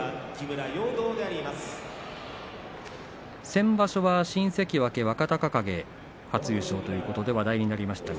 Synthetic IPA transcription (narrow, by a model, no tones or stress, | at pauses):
akʲibɯ̟ɾajoːd̪o̞ːd̪e̞aɾʲimasɨ̥ | sẽ̞mbaɕo̞βaɕĩɰ̃se̞kʲiβake̞βakat̪akakaɡe̞ | hat͡sɨjɯ̟ɕo̞ːt̪o̞jɯ̟ːko̞t̪o̞d̪e̞βad̪aiɲ̟inaɾʲimaɕi̥t̪a